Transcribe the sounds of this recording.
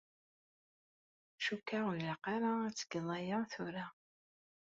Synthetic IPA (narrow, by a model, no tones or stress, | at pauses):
ʃukːalaqɑɾˤaæt͡sːə̥ɡðˤɑjaθʊɾa